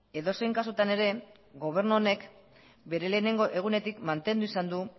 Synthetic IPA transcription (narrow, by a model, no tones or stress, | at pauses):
e̞ðo̞se̞jŋkasut̪ane̞ɾe̞ | ɡo̞β̞e̞ɾnuone̞k | be̞ɾe̞le̞ːne̞ŋɡo̞ʔe̞ɣ̞une̞t̪ikmant̪e̞nd̪uisand̪u